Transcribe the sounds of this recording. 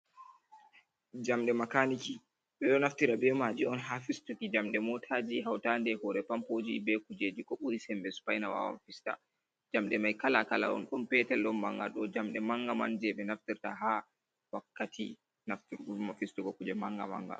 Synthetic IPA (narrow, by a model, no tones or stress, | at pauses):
d͡ʒamɗɛmakaniki | ɓɛɗɔnaftiɾabɛmad͡ʒiɔnɦafistukid͡ʒamɗɛmɔtʰaːd͡ʒiɦawtandɛhɔɾɛpampod͡ʒḭbɛkud͡ʒed͡ʒikɔɓuɾisɛmbɛsu̥pajnawa̰wa̰nfista̰ | d͡ʒamɗɛmajkalakala̰ʔɔ̰nɗɔnpɛtɛlɗɔnma̰ŋɡa̰ɗɔd͡ʒamɗɛmaŋɡama̰nd͡ʒɛɓɛnaftiɾtaɦa | wakːatʰḭ | naftiɾumafistukɔkud͡ʒɛmaŋɡa̰ma̰ŋɡa̰